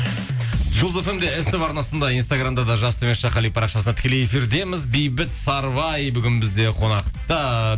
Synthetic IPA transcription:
ʒʊlˠzofemd̪e̞est̪ɪβɑɾnɑsənd̪ɑijnst̪aɡɾamd̪ɑd̪ɑʒɑst̪ʰɵmesʃɑqɑlijpʰɑɾɑqʃɑsənt̪ʰɪkʲelejefiɾd̪e̞mɪzbijbɪt̪sɑɾvɑjbʏɡʲɪnbɪzd̪e̞qʰo̞nɑqt̪ɑ

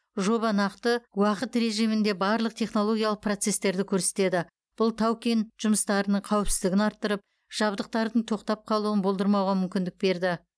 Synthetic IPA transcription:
ʒo̞βɑnɑqt̪əwɑqət̪ɾe̞ʒijmɪnd̪e̞bɑɾlˠəq̚t̪ʰe̞χno̞lˠo̞ɡʲijɑlˠəq̚pro̞t̪se̞st̪e̞ɾd̪ɪkʲʰɵɾse̞̥t̪e̞d̪ɪ | b̥ʊlˠt̪ʰawkʲenʒ̥ʊməst̪ɑɾənəɴqʰɑwpsɪzd̪ɪɡʲɪnɑɾt̪ːəɾəp̚ | ʒ̥ɑbd̪əq̚t̪ɑɾd̪əɴt̪ʰo̞qt̪ɑp̚qʰɑlˠuənbo̞lˠd̪əɾmɑwʁɑmʏmkʲɪnd̪ɪk̚be̞ɾd̪ɪ

